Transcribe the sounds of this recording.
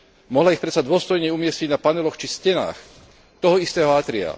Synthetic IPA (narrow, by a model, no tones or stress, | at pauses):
mɔɦlaixpɾɛt̪sad̪ʊɔst̪ɔjɲɛumɪɛsciɟnapanɛlɔxt͡ʃiscɛna̰ːx | t̪ɔɦɔist̪ɛːɦɔat̪ɾia̰